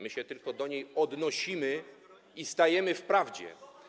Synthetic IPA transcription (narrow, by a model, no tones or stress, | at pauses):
mɘɕɛt̪ɘlkɔd̪ɔɲejɔd̪nɔɕimɘ | ist̪ajɛmɘfpɾavd͡ʑɛ̰